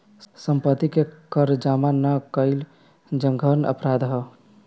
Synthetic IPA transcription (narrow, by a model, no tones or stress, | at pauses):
səmpət̪ːikekəɾd͡ʒamanəkəɪl | d͡ʒəŋɡʱəɾnə̰pɾad̪ɦə